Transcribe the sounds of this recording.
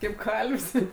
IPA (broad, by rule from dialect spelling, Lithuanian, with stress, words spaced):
kɐɪp ˈkɐlʲʋʲsʲ